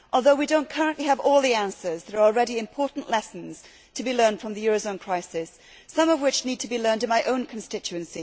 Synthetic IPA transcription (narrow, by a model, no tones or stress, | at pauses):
ʔɔlˠðoʊwidõʊ̃nkʰʌɹə̃nʔliəvɔlˠðiæ̃nsə˞zðə˞əlˠɹɛɾiɨ̃mpʰɔɹʔn̩ʔlɛsn̩z̥ | tʰɨbilɜ̃˞nd̥fɹʌ̃mðɨjɔɹozõʊ̃nkʰɹ̥aɪsɪsː | ʌ̃mʌvwɪt͡ʃnid̚tʰɨbilɜ̃˞ndɨ̃nmaɪʔõʊ̃nkʰn̩stɪt͡ʃʉɨ̃nsi